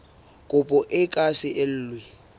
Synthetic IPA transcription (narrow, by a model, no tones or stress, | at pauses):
kʼʊpʼɔʔɪkʼasɪʔɪl̩ːlwɪ